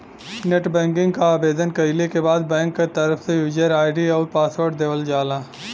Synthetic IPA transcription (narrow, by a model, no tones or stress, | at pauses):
neʈbɛ̃ːŋkɪ̃ŋɡkaːbeːd̪ənkɐilekebaːd̪̚bɛ̃ːŋkːet̪ɐɾəfsejuːd͡ʒəɾaːɪɖiɔːɾpaːsʋəɾɖ̚d̪eːʋəld͡ʒaːlãː